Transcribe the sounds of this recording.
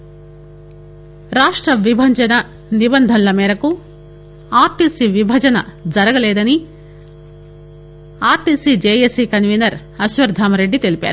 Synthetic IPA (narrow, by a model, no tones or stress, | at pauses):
ɾaːʂʈɾɐʋibʱɐɲd͡ʒɐnɐ | nibɐnd̪ʱɐnlɐmɛːɾɐku | aːɾʈiːsiʋibʱɐd͡ʒɐnɐd͡ʒɐɾɐɡɐlɛːd̪ɐni | aːɾʈiːsid͡ʒeːjesikɐnʋiːnɐɾ | ɐʃʋɐɾd̪ʱaːmɐɾe̞ɖːit̪e̞lipa̰ːɾu